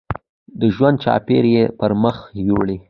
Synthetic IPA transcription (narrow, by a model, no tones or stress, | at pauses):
d̪əʒwand̪̚t͡ʃɑ̰peɾjepəɾməxwuɽi